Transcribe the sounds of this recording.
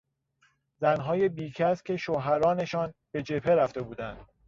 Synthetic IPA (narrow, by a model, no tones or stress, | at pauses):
zænɦɒːje̞biːcʰæscʰʲe̞ʃoɦæɾɒːne̞ʃɒːnb̥e̞d͡ʒe̞pʰe̞ɾæft̪e̞buːd̪ænd̪̥